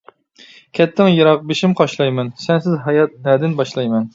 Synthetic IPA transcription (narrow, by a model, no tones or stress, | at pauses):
kʲʰɛt̪ʰːɪŋjɑɾɑq̚beʃimqʰɑʃlˠɑjmɛnsɛnsɪzɦɑjɑt̪̚næɾd̪ɪnbɑʃlˠɑjmɛn